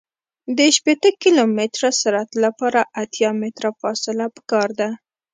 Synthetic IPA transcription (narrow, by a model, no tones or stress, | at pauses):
d̪əʃpet̪əkilomɪt̪ɾasaɾat̪lapɑɾaʔat̪jɑmɪt̪ɾafɑsɪlapə̥kɑɾd̪a